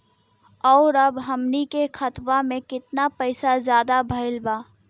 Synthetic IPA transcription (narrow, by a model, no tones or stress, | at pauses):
ɔːɾɐbɦɐmnikexʰɐt̪wamẽkɪt̪napɐɪsazjaːd̪abʱɐɪlbaː